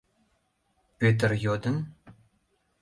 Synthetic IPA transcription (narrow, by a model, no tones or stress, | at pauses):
pʲet̪̬ərjod̪ən